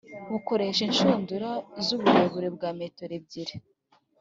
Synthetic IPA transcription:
βuko̞ɾeʃinʃoːnduɾazuβuheβuɾebɡaːmeːtoɾeb̚ɟiɾe

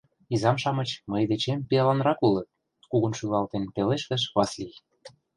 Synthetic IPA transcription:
izɑmʃɑmɤ̆t͡ɕməjd̪et͡ɕempiɑlɑnɾɑkulɤ̆t̪̚ | kuɣənʃylɑlt̪enpeleʃt̪ə̆ʃβɑslij

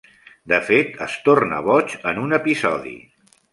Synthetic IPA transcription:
d̪əfet̪əst̪ornə̰βɔt͡ʃənunəpizɔðḭ

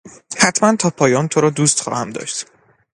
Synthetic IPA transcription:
hæt̪ʰmænt̪ʰɒːpʰɒːjɒːnt̪ʰoɾɒːd̪uːst̪χɒ̰ːhæmd̪ɒ̰ːʃt̪

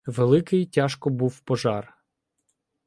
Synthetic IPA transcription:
ʋelˠɪkɪjtʲaʃkɔbuwpɔʒɑr

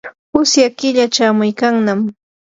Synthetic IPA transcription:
pʊsjakɪʎat͡ʃaːmʊjkaŋnam

